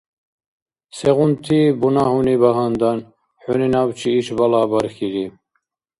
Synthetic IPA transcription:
seɣunt̪ʰibunaɦunibaɦand̪an | ħøninawt͡ʃʰiːʃbalaːbɐɾxiɾi

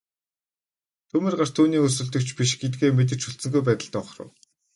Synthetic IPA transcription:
t̪ʰɵmĕrɢar̥t̪ʰuːniːɵrsɵ̆ɮt̪ɵ̆kt͡ɕpʲiʃɡet̪̚ɡeːmet̪̬ɘ̆t͡ɕuɬt͡sɘ̆ŋɡujpæːt̪ə̆ɮt̪ɔχrə̰̆w

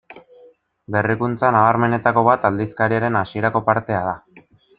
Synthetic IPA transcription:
be̞rikunt͡sanaβaɾme̞ne̞t̪ako̞β̞at̪ald̪iskaɾiaɾe̞nasie̞ɾako̞paɾt̪e̞að̞a

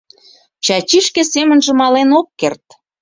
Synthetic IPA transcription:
t͡ɕɑt͡ɕiʃkesemə̆nʒĕmɑlenokːert̪

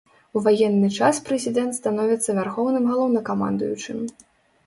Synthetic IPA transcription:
uvajɛnːɨt͡ʂaspɾɛzʲid̪ɛnt̪st̪anɔvʲit̪sːɐvʲarxɔwnɨmɣalˠɔwnɐkama̰nd̪ṵjut͡ʂɨ̰mʲ

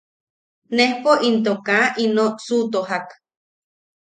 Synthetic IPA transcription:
nehpoʔint̪̬okaʔinosut̪oɦak

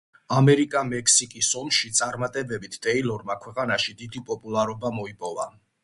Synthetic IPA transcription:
amɛɾikʼamɛkʰsikʼisɔmʃit̪sʼaɾmat̪ʼɛbɛbit̪ʰt̪ʼɛilˠɔɾmakʰwɛqʼanaʃid̪id̪ipʼɔpʼulˠaɾɔbamɔipʼɔva̰

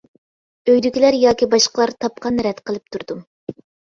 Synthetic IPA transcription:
øjd̪ykʲilæɾjɑːkʲibɑʃqʰəlˠɑɾt̪ʰɑp̚qʰɑnɾɛt̪qʰəlˠɨp̚t̪ʰuɾd̪um

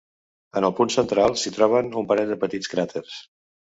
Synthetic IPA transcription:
ənəlˠpunsənt̪ɾalˠsit̪ɾɔβ̞ənumpəɾɛd̪əpət̪it͡skɾat̪eɾs

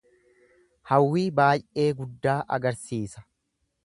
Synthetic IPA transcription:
hɐwːiːbaːjʔe̞ːɡʊd̪ːaːʔɐ̰ɡɐɾsiːsɐ̥

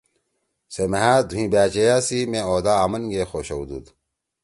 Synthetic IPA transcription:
semeɦaːd̪ʱũĩːbaːt͡ɕejaːsimẽoːd̪aːmɐnɡeːxoːɕɐwd̪ṵːd̪

